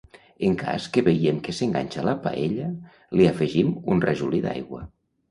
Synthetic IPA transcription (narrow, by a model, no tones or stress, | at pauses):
eŋkʰa̰skəβejemkeseŋɡa̰ɲʲt͡ʃalapa̰ʔeʎə | liafeʒimunreʒuliða̰jɣwə